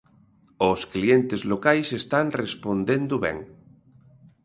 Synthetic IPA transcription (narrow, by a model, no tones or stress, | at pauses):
osklient̪ezlokajsest̪anrespond̪end̪oβɛ̰ŋ